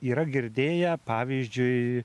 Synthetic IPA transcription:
iːɾɐɡʲɪɾʲd̪ʲeːjɛpɑːʋʲiːzʲd͡ʒʲʊɪ

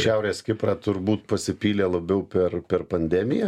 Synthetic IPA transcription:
ʃʲɛʊɾʲeːskʲɪpɾɑːt̪ʊɾbuːt̪̚pɐsʲɪpʲiːlʲeːlˠɐbʲɛʊpʲɛrpʲɛrpɐnʲd̪ʲæmʲɪjɛ

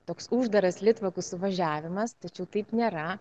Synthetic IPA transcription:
t̪oːksʊʒd̪ɐɾɐslʲɪt̪ʋɐkʊssʊʋɐʒʲæːʋʲɪmɐst̪ɐt͡ʃʲɛʊt̪ɐɪpnʲeːɾɐ

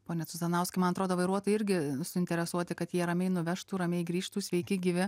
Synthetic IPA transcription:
poːnʲɛt͡ssʊzɐnɐʊsʲkʲɐɪmɐnɐt̪ɾoːd̪oːʋɐɪɾuɔt̪oːjɪɪɾʲɡʲɪsʊɪnʲt̪ʲɛɾʲɛsuɔt̪ʲɪkɐt̪jiɛɾɐmʲɛɪnʊʋʲɛʃt̪uːɾɐmʲɛɪɡɾʲiːʃt̪uːsʲʋʲɛɪkʲɪɡʲɪʋʲɪ

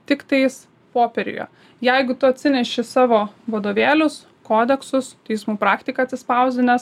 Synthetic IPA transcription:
t̪ʲɪkt̪ɐɪs | poːpʲɛɾʲʊ̰jo̰ː | jɛɪɡʊt̪ʊɐt̪ʲsʲɪnʲɛʃʲɪsɑːʋoːʋɐd̪oːʋʲeːlʲʊs | koːd̪ʲɛksʊst̪ʲɛɪsmuːpɾɑːkt̪ʲɪkɐɐt̪ʲsʲɪspɐʊzʲd̪ʲɪnʲɛs

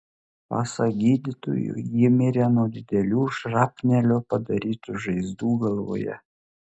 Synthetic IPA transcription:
pɑ̰ːsɐɡʲiːd̪ʲɪt̪o̰jʊ̰jɪmʲɪɾʲɛnuɔd̪ʲɪd̪ʲɛlʲuːʃɾɑːpʲnʲɛlʲoːpɐd̪ɐɾʲiːt̪uʒɐɪzd̪uːɡɐlˠʋo̰ːjɛ̰

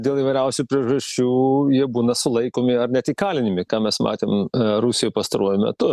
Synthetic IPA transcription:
dʲeːlˠiʋɐɪɾʲɛʊsʲʊpʲɾʲiɛʒɐʃʲt͡ʃʲuːjiɛbuːnɐsʊlˠɐɪkoːmʲɪɐrnʲɛt̪ʲiːkɑːlʲɪnʲɪmʲɪkɑːmʲɛsmɑ̰ːt̪ʲeːmɾusʲɪjopɐst̪ɐɾuɔjʊmʲɛ̰t̪ʊ

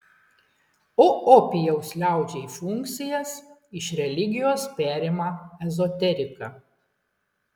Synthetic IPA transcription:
oɔpʲɪjɛʊslʲæˑʊd͡ʒʲɛiːfʊŋʲk̚t̪sʲɪjɛsɪʃɾʲɛlʲɪɡʲɪjoːspʲæːɾʲemɐɛzɔt̪ʲɛɾʲɪkɑ

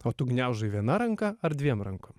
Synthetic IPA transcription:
ot̪uɡnʲæwʒɨʋʲɛnaɾɐŋkɐɐɾd̪ʲʋʲiɛmɾɐŋkom

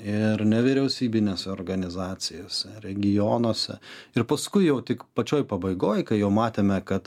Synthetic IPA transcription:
ɪrnʲɛʋʲɪɾʲɛʊsʲiːbʲɪnʲeːsʲɛoːrɡɐnʲɪzɑːt͡s̪ʲɪjoːsʲɛɾʲɛɡʲɪjoːnoːsʲɛ̰ɪrpɐskʊɪjɛʊt̪ʲɪkpɐt͡ʃʲoːjpɐbɐɪɡoːjkɐɪjɛʊmɑːt̪ʲeːmʲɛkɐt̪

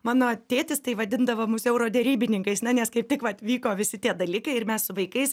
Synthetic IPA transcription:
mɑːnoːt̪ʲeːt̪ʲɪst̪ɐɪʋɐd̪ʲɪnd̪ɐʋoːmʊsɛʊɾoːd̪ʲɛɾʲiːbʲɪnʲɪŋkɐɪsnʲɛnʲɛskɐɪp̚t̪ʲɪkʋɐt̪ʋʲiːkoːʋʲɪsʲɪt̪ʲiɛd̪ɐlʲiːkɐɪɪɾmʲɛssʊʋɐɪkɐɪs

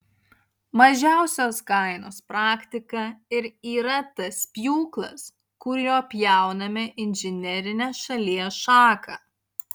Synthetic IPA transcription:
mɐʒʲæˑʊsʲoːskɐɪnoːspɾɑːkʲt̪ʲɪkɐɪɾiːɾɐt̪ɐspʲjuːklˠɐ̰s | kʊɾʲjoːpʲjæˑʊnɐmʲɪʔɪnʲʒʲɪnʲɛɾʲɪnʲeːʃɐlʲiɛʃɑːkʰɐ

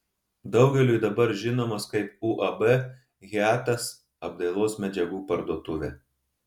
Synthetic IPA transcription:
d̪ɒʊɡʲɛlʲuɪd̪ɐbɐɾʒʲɪnoːmɐskɐɪp̚uʔɐbɛ | ɣʲæːt̪ɐs | ɐb̚d̪ɐɪlˠoːsmʲɛd͡ʒʲɛɡuːpɐɾd̪uɔt̪ʊʋʲɛ

